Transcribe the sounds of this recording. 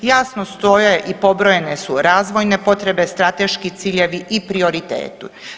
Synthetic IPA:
jaːsnost̪ojaeʔipo̞bɾo̞je̞ne̞suɾaːzʋo̞jne̞po̞t̪ɾe̞be̞st̪ɾat̪e̞ʃkit̪siːʎe̞ʋiʔipɾio̞ɾit̪ḛːt̪u

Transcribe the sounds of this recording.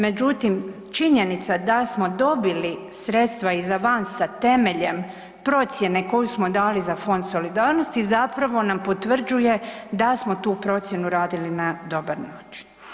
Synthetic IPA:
me̞d͡ʒut̪im | t͡ʃiɲe̞nit̪sad̪asmo̞d̪o̞bili | sɾe̞t̪st̪ʋaizaʋansat̪e̞me̞ʎe̞m | pɾo̞t̪sje̞ne̞ko̞jusmo̞d̪aːlizafo̞nd̪so̞lid̪aːɾno̞st̪izapɾaʋo̞nampo̞t̪ʋr̩d͡ʒuje̞d̪asmo̞t̪uːpɾo̞t̪sʲje̞nuɾaːd̪ilinad̪o̞baɾnaːt͡ʃi̥n

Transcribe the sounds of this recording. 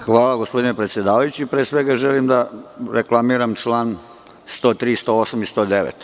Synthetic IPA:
xʋaːlˠaɡospo̞d̪inepɾe̞t̪sje̞d̪aːʋajut͡ɕipɾeːsʋeɡaʒeliːmd̪aɾeklˠamiːɾamʈ͡ʂlˠaːn | st̪oːt̪ɾiːst̪o̞osamist̪o̞ːd̪eʋḛt̪

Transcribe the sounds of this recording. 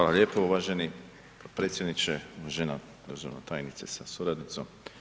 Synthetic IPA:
aːlaʎeːpooʋaʒeni | pɾet̪sjed̪nit͡ʃeʒena̰ | d̪ozono̰t̪aːjnit̪sesasuɾad̪nit̪so̰m

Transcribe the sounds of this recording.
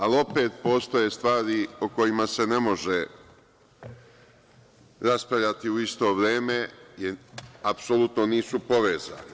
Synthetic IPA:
alio̞pe̞ːt̪̚po̞ːst̪o̞je̞st̪ʋaːɾioko̞jimase̞ne̞mo̞ʒe | ɾaspɾaʋʎat̪iuist̪o̞ːʋɾeːme̞jeapsolut̪no̞niːsupo̞ʋeːza̰ːni

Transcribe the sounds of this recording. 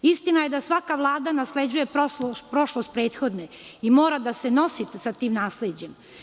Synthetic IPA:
ist̪inaje̞d̪asʋakaʋlˠaːd̪anasled͡ʑuje̞pɾopɾo̞ʃlˠost̪̚pɾeːt̪xo̞d̪ne | imo̞ːɾad̪aseno̞sit̪sat̪iːmnaːsled͡ʑe̞m

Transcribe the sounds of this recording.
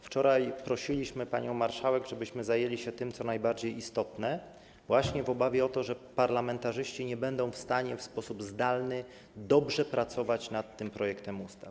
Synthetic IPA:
ft͡ʂɔɾajpɾɔɕilʲiɕmɘpaɲɔ̃w̃maɾʂawɛɡʐɛbɘɕmɘzajelʲiɕɛt̪ɘmt̪sɔnajbaɾd͡ʑejist̪ɔt̪nɛ | vwaɕɲɛvɔbavʲjɛɔt̪ɔʐɛpaɾlamɛnt̪aʐɘɕt͡ɕiɲɛbɛnd̪ɔ̃w̃fst̪aɲɛfspɔsubzd̪alnɘ | d̪ɔbʐɛpɾat̪sɔvat͡ɕnat̪ːɘmpɾɔjɛkt̪ɛmust̪af

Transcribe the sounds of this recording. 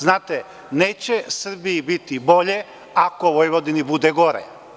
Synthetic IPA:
znaːt̪e | neːt͡ɕesr̩biːbit̪ibo̞ʎe | akoʋojʋod̪inibud̪eɡo̞ɾḛ

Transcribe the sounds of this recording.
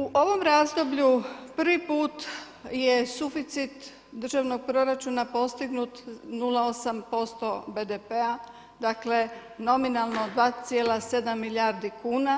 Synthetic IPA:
uʔo̞ʋo̞mɾaːzd̪o̞bʎupr̩ʋipuːt̪ | je̞sufit̪sit̪ | d̪r̩ʒaːʋno̞ɡ̚pɾo̞ɾat͡ʃuːnapo̞st̪iɡnut̪nulao̞sampo̞st̪o̞bed̪epea | d̪akleno̞minalˠnod̪ʋaːt̪sjeːlase̞d̪amːiljaːɾd̪ikuːna

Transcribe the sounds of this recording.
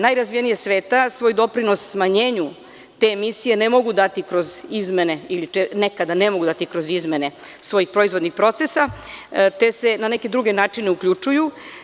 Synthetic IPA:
najɾazʋijenijesʋeːt̪asʋo̞ːjd̪o̞pɾino̞sːmaɲeːɲu | t̪e̞misije̞nemo̞ɡud̪at̪ikɾo̞zizme̞ne̞ilit͡ʃenekad̪ane̞mo̞ɡud̪at̪ikɾo̞zizme̞ne̞ | sʋo̞jixpɾo̞izvo̞d̪nixpɾo̞t̪sesat̪e̞se̞nane̞ked̪ɾuɡe̞naːt͡ʂineukʎut͡ʂuju

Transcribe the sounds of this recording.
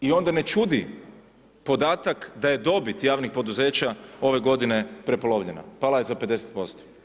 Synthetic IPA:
io̞nd̪ane̞t͡ʃud̪i | po̞d̪aːt̪akd̪aje̞d̪o̞bit̪jaːʋnixpo̞d̪uze̞ːt͡ɕao̞ʋe̞ɡo̞d̪ine̞pɾe̞po̞loʋʎḛna̰palajezape̞d̪e̞set̪̚po̞st̪o̥

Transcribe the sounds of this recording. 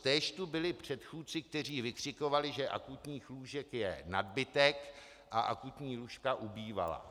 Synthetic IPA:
t̪ɛːʃt̪ubɪlɪpr̝̥ɛt̪xuːt̪̚t͡sɪk̚t̪ɛr̝iːvɪkr̝̥ɪko̞valɪʒɛʔa̰kut̪ɲiːxluːʒɛkjɛnad̪bɪt̪ɛk | ʔaʔa̰kut̪ɲiːluʃkaʔubiːva̰la̰

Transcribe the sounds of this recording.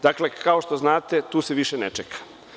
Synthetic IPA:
d̪akle̞kʰao̞ʃt̪o̞znaːt̪e̞t̪uːseʋiʃenḛt͡ʃekʰḁ

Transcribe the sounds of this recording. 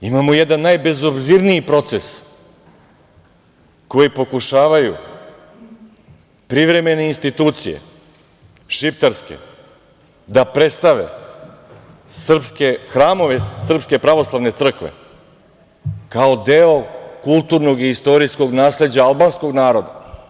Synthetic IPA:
imaːmojɛd̪anːajbe̞zobziɾniːpɾo̞t̪ses | ko̞jipo̞kuʃaːʋajṵ | pɾiʋɾe̞me̞ne̞inst̪it̪uːt̪sijḛ | ʃift̪eɾske̞̰ | d̪apɾet̪st̪aʋe̞̰ | sr̩pskexɾaːmo̞ʋesr̩pske̞pɾaʋo̞slˠaʋne̞t̪sr̩kʋḛ | kao̞d̪eokulˠt̪uɾnoɡiist̪o̞ɾisko̞ɡnaːsle̞d͡ʑaalˠbaːnsko̞ɡnaːɾo̞d̪a̰

